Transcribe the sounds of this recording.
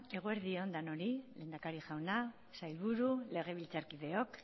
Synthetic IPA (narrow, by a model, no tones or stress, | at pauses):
e̞ɣ̞oe̞ɾðiond̪ano̞ɾile̞ːnd̪akaɾiʝawna | sajlβuɾule̞ɣ̞e̞β̞ilt͡saɾkiðe̞o̞k